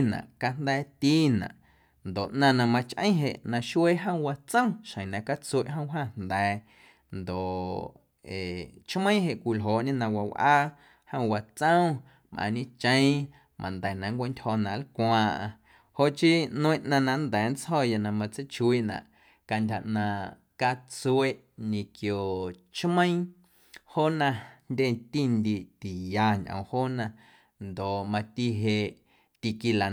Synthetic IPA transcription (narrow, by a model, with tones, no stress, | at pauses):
nã̰˨ʔka˧n̥d̪ɛː˦˧˦t̪iː˦nã̰˨ʔ | nd̪o˨ʔnã˧nã˧mã˧t͡ʃʔə̰̃˦ɦe˨ʔnã˧ʃwe˦ɦə̃˦˨˧wa˧t͡sə̃˦w̃ʃə̃˨j̃nã˧ka˦t͡swe˧˨ʔɦə̃˦ɦa˦˨n̥d̪ɛː˨ | nd̪o˨ʔ | e˨t͡ʃmə̃˦ɦe˨ʔkʷi˧lɦoː˨ʔɲẽ˦nã˧wa˧˨wʔaː˦ | hə̃˧˨wa˧t͡sə̃˦w̃ | mʔã̰˧˨ɲĩ˦t͡ʃə̃˦j̃ | mʔã̰˨nd̪ɛː˨nã˨ŋkʷe˦ntʲho˧nã˨ʔlkʷãː˧ʔã̰˧ | ho˦ʔt͡ʃi˦nũ˦ĩ˧ʔnã˧nã˧nd̪ɛː˨˦n˦t͡shɔ˦˨ja˧nã˧mã˧t͡sə˦t͡ʃwi˦ʔnã̰˨ʔ | ka˧˨ndʲa˨ʔnã˨ | ka˧t͡su˧e˦ʔ | ɲĩ˨kjo˨t͡ʃmə̃˦ĩ˦ | ho˦nã˧ndʲe˦˨t̪i˦˨nd̪i˧˨t̪i˨ja˧ɲʔə̰̃˨hoː˦nã˧ | nd̪o˨ʔmã˧t̪i˧ɦe˧ʔ | t̪i˧ki˧la˨